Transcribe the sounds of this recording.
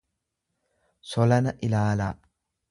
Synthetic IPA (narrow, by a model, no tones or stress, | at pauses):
sɔlɐnɐʔɪlaːlaː